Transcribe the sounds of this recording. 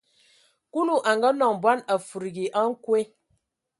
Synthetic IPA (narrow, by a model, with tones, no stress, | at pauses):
ku˦nu˨ʔa˨ŋɡa˦nɔ˨ŋ˨bwa˦na˨fu˨ɾi˨ɡi˨ʔa˦ŋ̩˦kwe˦